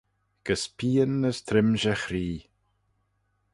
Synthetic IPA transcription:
ɡ̥əspʰiːənːəst̪ʰɾɪmʒəxɾiː

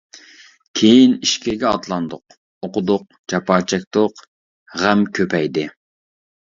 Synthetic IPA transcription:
kʲʰejiniʃkʲʰɪɡʲɛɑt̪lˠɑnd̪ʊq | oqʊd̪ʊq̚d͡ʒɑpɑːt͡ʃʰɛk̚ʲt̪ʊq | ʁæmkʲʰøpʰɛjd̪ɪ

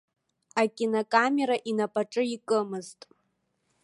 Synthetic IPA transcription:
akʲʼinakʼame̞ɾaʔinapʼaʈ͡ʂʼɨikʼɨmɨztʼ

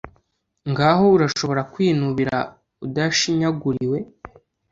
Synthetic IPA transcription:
ŋɡaːɦo̞uɾaʃo̞βo̞ɾakwiːnuβiɾa̰ | udaʃiɲaɡuɾiwe̞

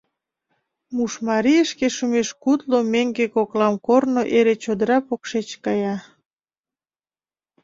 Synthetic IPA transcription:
muʃmɑɾijəʃkeʃumeʃkut̪lomeŋɡekoklɑmkornoʔeɾet͡ɕod̪əɾɑpokʃet͡ɕkɑjɑ

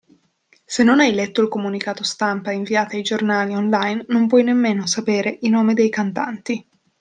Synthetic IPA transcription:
senːonajlɛt̪ːoilkomunikaːt̪ost̪ampaiɱviaːt̪aajd͡ʒornaːlionlajnːompwɔjnemːeːnosapeːɾeʔinoːmed̪ejkant̪a̰nt̪i

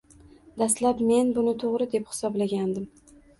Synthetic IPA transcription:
d̪ast̪lapme̞nbʊnɪt̪ʰoʁɾɪd̪e̞phɪ̥sɒblaɡʲand̪ɪm

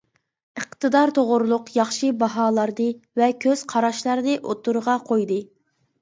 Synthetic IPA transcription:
əqt̪ʰɨd̪ɑɾt̪ʰoʁʊɾlˠʊqjɑχʃɨbɑɦɑːlˠɑɾd̪ɨvɛkʲʰøz̥qʰɑɾɑʃlˠɑɾɨnɨʔot̪uɾʁɑqʰojd̪ɨ

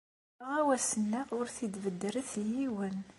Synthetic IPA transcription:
ʁæwæsənːæʊɾθid̪vəd̪ːəɾəθjiwən

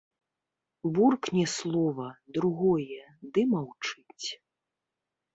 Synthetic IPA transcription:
vurknʲɛslˠɔvɐd̪ɾuɣɔjɛd̪ɨmawt͡ʂɨt͡sʲ

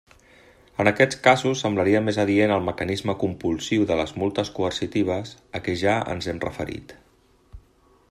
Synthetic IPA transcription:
ənəkɛt͡skazusːəmbləɾiəmezəðienəlˠməkənizməkumpulˠsiwðələzmulˠt̪əskuərsit̪iβ̞əsəkɛʒaə̰nzɛmrə̰fə̰ɾḭt̪

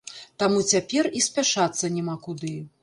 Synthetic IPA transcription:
t̪amut͡sʲapʲɛrisʲpʲaʂat̪sːɐnʲɛmakud̪ɨ

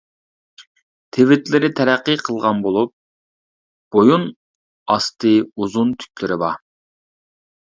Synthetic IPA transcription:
t̪ʰevɪt̪lɪɾɪt̪ʰɛɾæqːəqʰəlˠʁɑnbolˠup̚ | b̥ojun | ɑst̪ɨuzunt̪ʰy̥k̚ʲlɪɾɪbɑ̰

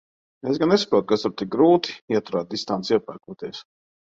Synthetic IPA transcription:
esɡannesḁpɾuɔːt̪̚kast̪ʊɾt̪ik̚ɡɾuːt̪i̥iɛt̪ʊɾaːd̪̚d̪ist̪ant̪siɛpa̰ɾkuɔt̪iɛs

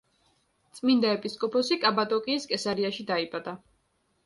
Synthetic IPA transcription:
t̪sʼmind̪aɛpʼiskʼɔpʰɔsikʼabat̪ʼɔkʼiːskʼɛsaɾiaʃid̪aipʼad̪a

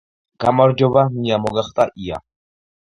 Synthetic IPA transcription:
ɡ̥amaɾd͡ʒɔbamijamɔɡaχt̪ʼaʔia̰

